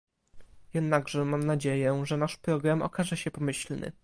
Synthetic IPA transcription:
jɛd̪naɡʐɛmamnad͡ʑejɛʐɛnaʂpɾɔɡɾamɔ̰kaʐɛɕɛpɔmɘɕlnɘ̰

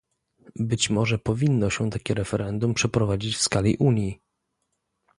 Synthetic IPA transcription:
bɘt͡ɕmɔʐɛpɔvʲinːɔɕɛ̃t̪akʲɛɾɛfɛɾɛnd̪umpʂɛpɾɔvad͡ʑit͡ɕfskalʲḭʔuɲji

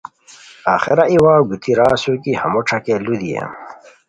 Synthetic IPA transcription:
aːxeɾaiwaːɡut̪ʰiɾaːsukihɐmoʈ͡ʂʰɐkelud̪ijḛm

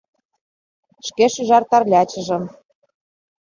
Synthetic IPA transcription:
ʃkeʃyʒɑrt̪ɑrlʲɑt͡ɕə̆ʒɤ̆m

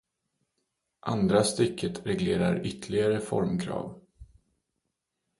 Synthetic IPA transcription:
ʔa̰nd̪ɾast̪ʏkʰːət̪ɾɛɡleːɾa̰ɾʏt̪ʰlɪɡaɾəfɔɾmkʰɾɑ̰ːv

